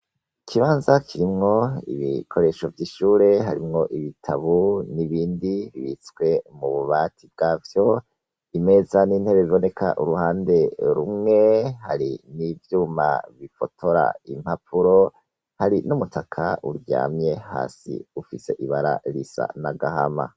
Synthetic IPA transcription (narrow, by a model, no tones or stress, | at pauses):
kʰiβaːnzakʰiɾimŋo̞ḭβikʰo̞ɾe̞ʃo̞vjiːʃuːɾe̞ɦaɾimŋo̞ʔiβitʰaβuniβiːndiβiβisɡwe̞muβuβatʰibɡ̥avjo̞ | ime̞zaniːn̥he̞βe̞βiβo̞ne̞kʰa̰ʔuɾuhaːnde̞ɾumŋe̞haɾinivjuːma̰βifo̞tʰo̞ɾa̰im̥hapʰuɾo̞ | haɾinumutʰakʰauɾɟa̰ːmɲe̞ha̰ːsḭufise̞ʔiβaɾa̰ɾisa̰naɡahama̰